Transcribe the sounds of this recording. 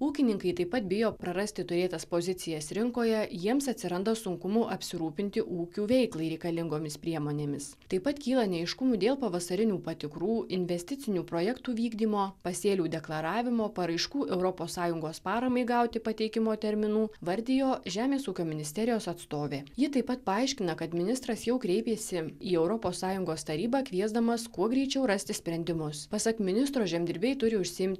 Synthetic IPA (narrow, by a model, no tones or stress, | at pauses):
uːkʲɪnʲɪŋkɐɪt̪ɐɪpɐt̪̚bʲɪjoːpɾɐɾɐsʲt̪ʲɪt̪ʊɾʲeːt̪ɐspozʲɪt̪sʲɪjɛsɾʲɪŋkoːjɛjiɛmsɐt̪ʲsʲɪɾɐnd̪ɐsʊŋkʊmuʔɐpʲsʲɪɾuːpʲɪnʲt̪ʲɪʔuːkʲuːʋʲɛɪklˠɐɪɾʲɛɪkɐlʲɪŋɡoːmʲɪspʲɾʲiɛmoːnʲeːmʲɪst̪ɐɪpɐt̪kʲiːlˠɐnʲɛɪʃkʊmuːd̪ʲeːlˠpɐʋɐsɐɾʲɪnʲuːpɐt̪ʲɪkɾuːɪnʲʋʲɛsʲt̪ʲɪt̪sʲɪnʲuːpɾoːjɛkt̪uːʋʲiːɡd̪ʲiːmoːpɐsʲeːlʲuːd̪ʲɛklˠɐɾɑːʋʲɪmoːpɐɾɐɪʃkuːʔɛʊɾɔpoːsːɑːjʊŋɡoːspɑːɾɐmɐɪɡɐˑʊt̪ʲɪpɐt̪ʲɛɪkʲɪmoːt̪ʲɛɾʲmʲɪnuːʋɐɾʲd̪ʲɪjoːʒʲæːmʲeːsuːkʲoːmʲɪnʲɪsʲt̪ʲɛɾʲɪjoːsɐt̪st̪oːʋʲeːjɪt̪ɐɪpɐt̪pɐɐɪʃʲkʲɪnɐkɐt̪mʲɪnʲɪst̪ɾɐsjɛʊkɾʲɛɪpʲeːsʲɪiːɛʊɾɔpoːsːɑːjʊŋɡoːst̪ɐɾʲiːbɑːkʋʲiɛzd̪ɐmɐskuɔɡɾʲɛɪt͡ʃʲɛʊɾɐsʲt̪ʲɪsʲpʲɾʲɛnʲd̪ʲɪmʊspɐsɐkmʲɪnʲɪst̪ɾoːʒʲɛmʲd̪ʲɪɾʲbʲɛɪt̪ʊɾʲɪʊʃʲsʲɪɪmʲt̪ʲ